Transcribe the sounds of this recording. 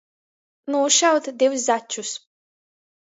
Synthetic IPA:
nuːʃawt̪d̪iws̬zat͡ʃːus

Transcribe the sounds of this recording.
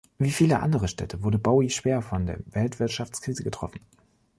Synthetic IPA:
viːfiːləʔa̰ndəʁ̞əʃtɛ̰tʰəvʊɐdəbaʊiʃv̥eːɐfɔndeːɐvɛltv̥ɪɐtʃaft͡skʁ̥iːzəɡətʁ̥ɔ̰fn̩

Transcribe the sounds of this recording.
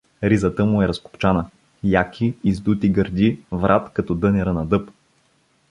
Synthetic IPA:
ɾizət̪əmʊɛɾɐskʊ̥pt͡ʃanə | jakʰʲiːzd̪ut̪iɡəɾd̪ivɾʔat̪kɐt̪ɔd̪ɤnɛɾənɐd̪ɤp

